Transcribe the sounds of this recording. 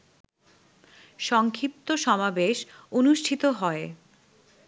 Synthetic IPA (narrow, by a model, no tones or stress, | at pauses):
ʃɔŋkʰip̚t̪oʃɔmabeʃonuʃʈʰit̪oɦɔe